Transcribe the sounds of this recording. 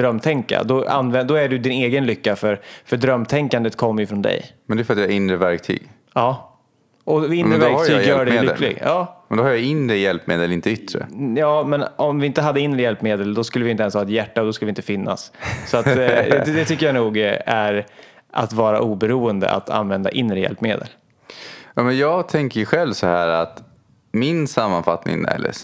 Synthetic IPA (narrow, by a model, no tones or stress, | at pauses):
d̪ɾœmːt̪ʰɛŋkːa̰d̪ɔa̰nvɛnd̪ɔæɖɵd̪ɪneːɡənlʏkːafœɾfœɖɾœmːt̪ʰɛŋkand̪ət̪kʰɔmːəjɵfɾɔnd̪ɛ̰jmɛnɛjfœɾat̪jɛɾɪnɾəvæɾk̚t̪ʰy̰ːɡ | ɑː | ʔɔɪnɾəvæɾkt̪ʰyːjœːɖɛːlɪkːlɪ̰ɡɑːmɛnd̪ɔhaɾjaɪnɾəjɛlpmḛːd̪əlɪnt̪əʏt̪ːɾə̰jɑːmɛnɔmvɪɪnt̪əɦad̪ːəɪnɾəjɛlpmeːd̪əld̪ɔskɵlːəvɪnt̪ɛnshɑːɛt̪jæʈːad̪ɔs̬kɵlvɪnt̪əfɪnːa̰ssɔat̪ɛd̪ɛt̪ʏkːəjanuːɡæɾ | ʔa̰t̪vɑːɾaʔuːbɛɾuːənd̪ə̰ʔa̰t̪ʰa̰nvɛnd̪a̰ʔɪnːɾəjɛ̰lpːmeːd̪ə̰l | jɑːmɛnjɑːɡt̪ʰɛŋkəɧɛlvsɔhæːɾat̪ | mɪnsamːanfat̪nɪ̰ŋæ̰ɖ̪ɛ̰